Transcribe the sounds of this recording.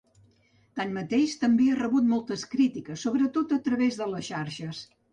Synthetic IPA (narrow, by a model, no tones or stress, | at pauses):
t̪anmət̪eʃt̪əmbearəβut̪mɔlˠt̪əskɾit̪ikəsːoβɾət̪ot̪ət̪ɾəβezðələsʃaɾʃəs